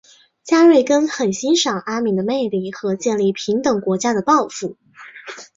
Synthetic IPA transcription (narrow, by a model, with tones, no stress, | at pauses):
t͡ɕja˥ɻwe˥˩ɪkə˥nxə˨˩nɕi˥nʂɑ˨˩ŋʔa˥mi˧˥d̪ə˧me˥˧ɪli˥˩xɤ˧˥t͡ɕjɛ˥˧nli˥˩pʰi˧˥ŋt̪ɤ˨˩ŋkwɔ˧˥t͡ɕja˥d̪ə˨pɑ˥˧ʊfu˥˩